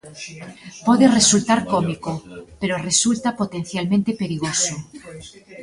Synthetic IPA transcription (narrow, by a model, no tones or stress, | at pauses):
poðere̞sult̪aɾkomikope̞ɾore̞sult̪apot̪e̞n̟θjalmẽnt̪epe̞ɾiɣ̞oso